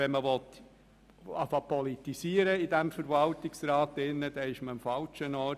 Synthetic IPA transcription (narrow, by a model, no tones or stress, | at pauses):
ɛnməʋɔt̪ | ɑfɑχpɔlitisiəɾəɪdæmfəɾʋɑltɪksɾɑːtɪnːəd̥ɛɪʃməɑmfɑlt͡ʃənɔː